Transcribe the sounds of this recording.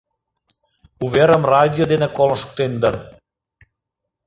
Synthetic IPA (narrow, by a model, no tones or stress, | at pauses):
uβeɾə̆mrɑd̪ʲijod̪enĕkolˠəʃk̚t̪end̪ər